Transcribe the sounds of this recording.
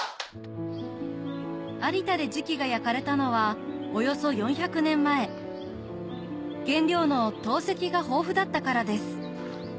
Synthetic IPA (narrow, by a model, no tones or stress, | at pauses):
aɾʲit̪ad̪e̞ʑikʲiɡajakaɾe̞t̪ano̞β̞ao̞jo̞so̞jõ̞ɰ̃çakɯ̟nẽ̞mːae̞ | ɡ̥ẽ̞nɾʲo̞ːno̞t̪o̞ːse̞kʲiɡaɦo̞ːɸɯ̟d̪at̪ːakaɾad̪e̞sɨ̥